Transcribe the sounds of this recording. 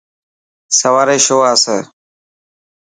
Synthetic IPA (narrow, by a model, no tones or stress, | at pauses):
səʋaːɾeːʃoːaːsəː